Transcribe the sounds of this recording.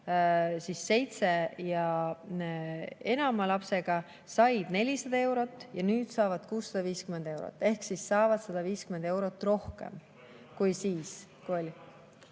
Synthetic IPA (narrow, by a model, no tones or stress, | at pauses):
sise̞jt̪se̞jɑ | e̞nɑmɑlɑpse̞ɡ̥ɑ | sɑjd̪̥ne̞lʲisɑd̪̥ɑe̞wɾo̞t̪ːˑjɑnyːd̪̥sɑːvɑd̪̥kuːsːɑd̪̥ɑviːskyme̞nd̪̥e̞wɾo̰t̪ːˑe̞hksisːɑːvɑd̪̥sɑd̪̥ɑviːskymend̪e̞wɾo̞t̪ːˑro̞hke̞̰m | kujsiːskuolʲi